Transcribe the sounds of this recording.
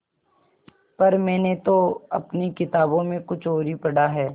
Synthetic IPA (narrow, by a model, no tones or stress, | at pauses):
pɐɾmɛ̃ːnet̪oɐpnikɪt̪aːbõmẽkʊt͡ʃʰoːɾipɐɽaɦɛː